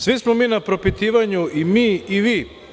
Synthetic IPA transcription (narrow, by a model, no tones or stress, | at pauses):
sʋismomiːnapɾo̞pit̪iːʋaɲuʔimiːiʋiː